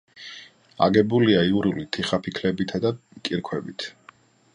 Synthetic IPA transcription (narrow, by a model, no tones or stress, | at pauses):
a̰ɡɛbuliaiuɾulit̪ʰiχapʰikʰlɛbit̪ʰad̪akʼiɾkʰwɛbit̪ʰ